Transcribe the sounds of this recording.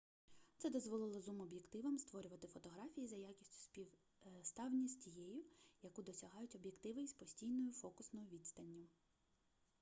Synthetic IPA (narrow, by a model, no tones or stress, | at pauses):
t̪sɛd̪ɔzʋɔlˠɪlˠɔzumɔbʲjekt̪ɪʋɐmst̪ʋɔɾʲʊʋɐt̪ɪfɔt̪ɔɦɾɑfʲijizɐjakʲisʲtʲʊ̥spʲi | st̪ɑwnʲisʲtʲijɛjʊjɐkud̪ɔsʲɐɦɑjʊtʲɔbjekt̪ɪʋɪjspɔsʲtʲijnɔjʊfɔkʊsnɔjʊʋʲid̪st̪ɐnʲːʊ